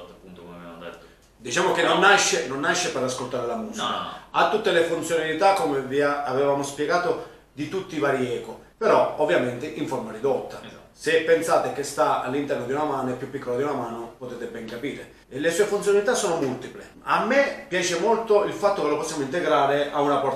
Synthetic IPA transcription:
t̪pːunt̪onabjamd̪et̪ː | d̪it͡ʃaːmokenonːaʃːenonːaʃːeperaskolt̪aːɾelamuːsikaat̪ːut̪ːelefunt̪sjonalit̪akːomeviaavevaːmospjeɡaːt̪o | d̪it̪ut̪ːivaːɾiɛːko | peɾɔovːjament̪eʔiɱfoɾmaɾid̪ot̪ːa | sepːensaːt̪ekest̪aa̰lːint̪ɛrnod̪iunamaːnepːjupːikːolad̪iunamaːnopot̪eːt̪ebɛŋkapiːɾe | elesuːefunt̪jonalit̪asːoːnomult̪iple | amːepːjaːt͡ʃemolt̪oilfat̪ːokelopɔsːjamoint̪eɡɾaːɾeaunapɔ

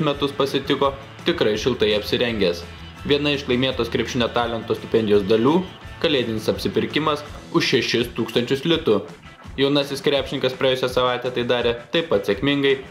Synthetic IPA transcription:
mʲɛt̪ʊspɐsʲɪt̪ʲɪkoː | t̪ʲɪkɾɐɪʃʲɪlˠt̪ɐɪɐpʲsʲɪɾʲɛŋʲɡʲeːs | ʋʲiɛnɐɪʃklˠɐɪmʲeːt̪oːskɾʲɛpʲʃʲɪnʲoːt̪ɑːlʲɛnt̪oːsʲt̪ʲɪpʲɛnʲd̪ʲɪjoːsd̪ɐlʲuːkɐlʲeːd̪ʲɪnʲɪsɐpʲsʲɪpʲɪɾʲkʲɪmɐs | ʊʃʃʲɛʃʲɪst̪uːkst̪ɐnʲt͡ʃʲʊslʲɪt̪ʊ | jɛʊnɐsʲɪskɾʲæːpʲʃʲɪnʲɪŋkɐspɾɐɛːjʊsʲɛsɐʋɑˑɪt̪ʲɛːt̪ɐɪd̪ɑːɾʲeːt̪ɐɪpɐt̪sʲɛkmʲɪŋɡɐɪ

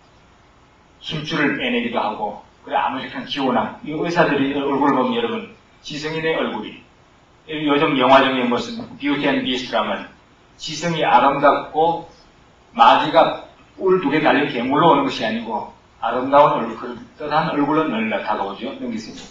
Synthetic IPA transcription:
sʰut͡ɕ͈uɾɯɭeneɡidohaɡo | kɯɾea̰musʰekʰant͡ɕionaŋesʰadɯɾiʌɭɡuɾɯɭbʌmjʌɾʌbɯn | t͡ɕisʰɯŋineʔʌɭɡuɾḭ | jʌd͡ʑʌŋjʌŋɦwad͡ʑʌŋiɯnɡʌsʰɯnpjutʰenbistʰɯɾamʌn | t͡ɕisʰɯŋiʔaɾɯmdak̚k͈o | mad͡ʑiɡa | uɭtuɡetaʎːinkemuɭːoonɯnɡʌɕʰiaɲiɡo | aɾɯmdaonʌɭkɯɾɯt͈ʌdanʌɭɡuɭːʌnːʌnːatʰaɡʌod͡ʑonɯŋɡisʰɯɲda

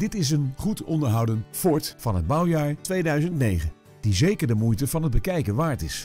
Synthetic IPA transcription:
dɪtɪs̬ənχutɔndəɹɦʌwdənfɔɹtfɑnɦəd̚bʌwjaːɹtʋejdœɥzəntnejχə | d̥izejkəɹdəmujtəvɑnɦəd̚bəkɛjkənʋaːɹtɪs

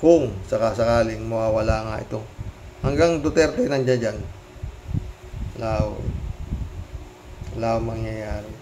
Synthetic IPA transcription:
kʊŋsɐkasɐkaːlɪŋmɐwaːwɐlaːŋaʔɪ̰t̪o̞hɐŋɡaŋd̪ʊt̪ɛɾkɐjnɐnd͡ʒad͡ʒan | laːo̰ | laːomɐŋjajaːɾɪ

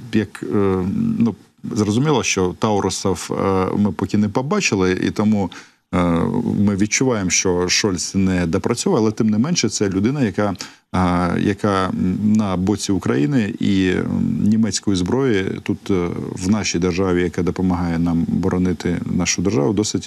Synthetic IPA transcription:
jɐk | nu | zrɔzʊmʲilˠɐʃt͡ʃɔt̪ɑʊɾʔʊsɐfmɪpɔkʲɪnɛpɔbɑt͡ʃɪlˠɪḭt̪ɔmu | mɪʋʲid̪̚t͡ʃʊʋɑjemʃt͡ʃɔʃɔlʲsʲnɛd̪ɐpɾʔɐt͡sʲɔʋɐɐlˠɛt̪ɪmnɪmɛnʃɛt̪sɛlʲʊd̪ɪnɐjɐkɑ | jʔɐ̰kɑnɐbɔt͡sʲiʊkɾɐjinɪḭ | nʲimɛt͡sʲkɔjizbɾɔjit̪ut̪wnɑʃʲijd̪erʒɑʋʲijɐkɑd̪ɔpɔmɐɦɑjɛnɑmbɔɾʔɔnɪt̪ɪ̰nɑʃʊd̪erʒɑ̰ʋʊd̪ɔsɪtʲ

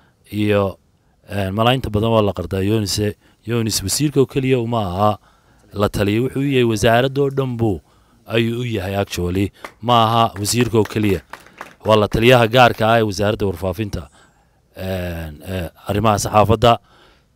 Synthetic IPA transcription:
ʔijɔ | ɛnmɐlaːjɪnt̪ʰɐbɐðɐnwɑːlɐqɑrd̪aːjɔnɪsɛ | jɔnɪswsiːrkʰɔːkʰɛlɪjɐʊmɐːɦɐ | lɐt̪ʰɐlɪjɛwʊħuːʊjɐhɛjwɑsaːɾɐd̪ɔːɖɐmbuː | ɐjuːʊjɐɦɛjɐkt͡ʃɔːlɪmɐːɦɐwɑsiːrkʰɔkʰɛlɪjɐwɑːlɐt̪ʰɐlɪjɐɦɐɡaːrkʰɐːɛːwɑsaːɾɐd̪ɐwɑrfaːfɪnt̪ʰɐ | ɛnɐrɪmɐɦɐsɑħɑːfɐd̪ːɐ

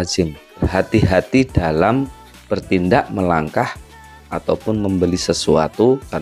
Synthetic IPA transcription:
d͡ʒɪmpərɦat̪iɦat̪idalam | b̥ərt̪indaʔməlaŋkah | ʔat̪awpʊnməmbəlisəsua̰t̪ukar

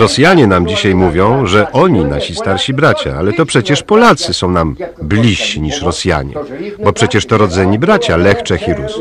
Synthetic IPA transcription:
ɾɔsʲjaɲɛnamd͡ʑiɕajmuvʲjɔ̃w̃ʐɛʔɔɲinaɕist̪aɾɕibɾat͡ɕa̰alɛt̪ɔpʂɛt͡ɕɛʂpɔlat̪sɘsɔ̃w̃namblʲiɕːiɲiʂɾɔsʲja̰ɲɛ̰bɔpʂɛt͡ɕɛʂt̪ɔɾɔd̪zɛɲibɾat͡ɕalɛxt͡ʂɛxʲiɾus

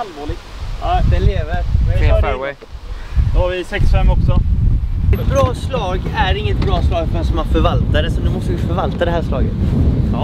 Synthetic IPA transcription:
alvoːlɪɡ̪d̪ɛleːvəɾefɛwɛj | d̪ɔhaɾvɪsɛksfɛmːɔksɔ | ɛt̪bɾɑːslɑːɡæɾɪŋːət̪̚bɾɑːslɑːɡfast̪ɔmanfœɾvalt̪aɾəsɔnʉmɔst̪əvɪfœɾvalt̪ad̪ɛɦæːʂlɑ̰ːɡə̰t̪ː

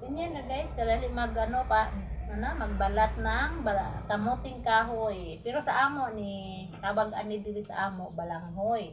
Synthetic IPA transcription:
sɪɲanalajskad̪alɪʔmaɡanopaʔanamaɡ̚balat̪̚naŋbalakamut̪ɪŋkaːɦoj | pɪɾosaʔaːmoʔni | k̪abaɡʔa̰nɪd̪ɪɾɪsa̰ʔaːmoʔbalaŋɦoj

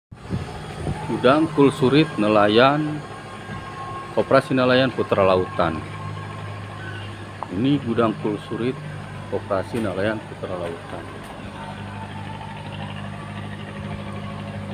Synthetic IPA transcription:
ɡ̥udaŋkulsuɾɪt̪̚nəlajan | opɾasinəlajanput̪ɾalaut̪an | iniɡudaŋkulsuɾɪt̪̚ | opɾasinəlajanput̪ɾalaut̪an

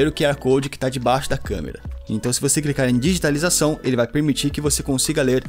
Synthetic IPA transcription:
eɾʊkɪɛɾɐkowd͡ʒɪkɪ̥t̪ad͡ʒɪbajʃʊd̪ɐkɐ̰̃mḛɾɐ̰ẽt̪ɐ̃w̃sɪvoseklikaɾẽj̃d͡ʒiʒit̪alizasɐ̃w̃elɪvajpeɾmit͡ʃiɾkɪvosekõsiɡɐleɾ

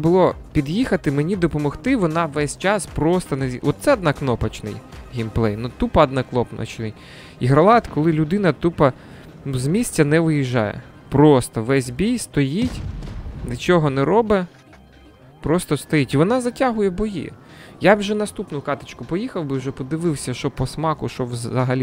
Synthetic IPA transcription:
bʊlˠɔpʲid̪jixɐt̪ɪmenʲid̪ɔpɔmɔxt̪ɪʋɔnɑʋɛsʲt͡ʃɑspɾɔst̪ɐnɛiʔɔt̪sɛɐd̪nɐknɔpɐt͡ʃnɪ̰jɦʲinplˠɛjnʊt̪upɐɐd̪nɐklˠɔpnɐ̰t͡ʃnɪj | iɦɾɐlˠɑt̪kɔlˠɪlʲʊd̪ɪnɐt̪upɐ | uzmʲisʲtʲɐnɛʋɪjiʒːɑ̰jɛ̰ | pɾɔst̪ɔʋɛsʲbʲijst̪ɔjitʲnɪt͡ʃɔɦɔnɛɾɔbɛ | pɾɔst̪ɔst̪ɔjitʲiʋɔnɑzɐtʲaɦʊjɛbɔjḭ | jawʒɛnɐst̪upnʊkɑt̪ɪt͡ʃkʊpɔjixɐwbɨwʒɛpɔd̪ɪʋɪwsʲɐʃɔpɔsmɑkʊʃɔʋzɐɦɐlʲi

